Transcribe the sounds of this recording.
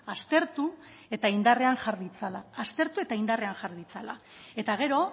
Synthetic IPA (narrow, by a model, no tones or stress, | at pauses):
ast̪e̞ɾt̪u | e̞t̪aind̪are̞anʝaɾðit͡salaːst̪e̞ɾt̪ue̞t̪aind̪are̞anʝaɾðit͡sala̰ | e̞t̪aɣ̞e̞ɾo̞